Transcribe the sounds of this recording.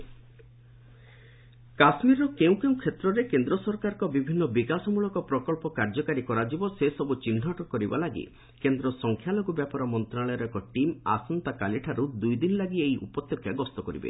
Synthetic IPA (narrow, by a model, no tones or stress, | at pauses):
kasmiɾɔkeũkeũkʰet̪ɾɔɾekend̪ɾɔsɔɾkaɾɔkɔbibʱinːɔbikasɔmuɭɔkɔpɾɔkɔɭpɔkaɾd͡ʒɔkaɾikɔɾad͡ʒibɔsesɔbut͡ʃinʱɔʈɔkɔɾiba̰laɡḭ | kend̪ɾɔsɔŋkʰjaloɡubjapɔɾɔmɔnt̪ɾaɭɔjɾɔekɔʈima̰sɔnt̪akaliʈʰaɾud̪ujd̪inɔlaɡieiʔṵpɔt̪jɔkʰjaɡɔst̪ɔkɔɾḭbḛ